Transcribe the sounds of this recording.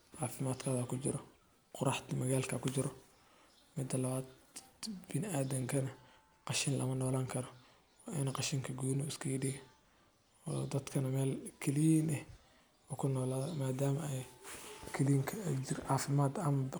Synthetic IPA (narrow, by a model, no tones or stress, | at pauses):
ʕɑːfɪmaːd̪kʰɐːðɐkʰʊt͡ʃɪ̰ɾɔ | qʊɾɑħt̪mɐɣaːlkʰɐkʰʊt͡ʃɪɾɔ | mɪd̪ːɐlɐβaːd̪ | b̥ɪnɪaːd̪ɐŋkʰɐnɐ | qɑʃɪnlʔɐ̰mɐnɔːlaːŋkʰɐɾɔː | ʔɪnɐqɑʃɪŋkʰɐɡuːnʊɪskʰɐjɪɖij | ɔːd̪ɐd̪kʰɐnɐmɛːlkʰɐlɪjnɛh | ɔkʰʊnɔːlaːðɔmaːd̪aːmɐɛjkʰɐliŋkʰɐd͡ʒɪrʕɑːfɪmaːd̪ɐmɐ